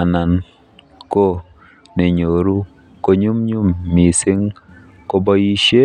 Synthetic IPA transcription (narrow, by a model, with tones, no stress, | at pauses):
a˨na˨n | ko˦ | ne˨ɲo˨ɾu˦ | ko˦ɲu˦mɲu˦mːi˨sɪ˦ŋ | ko˦bɔ˦ji˦ʃe˦